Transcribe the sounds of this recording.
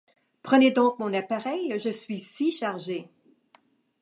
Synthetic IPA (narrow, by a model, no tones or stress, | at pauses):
pχəned̪ɔ̃k̚mɔ̃napaʁɛjʒəsɥisiʃaʁʒe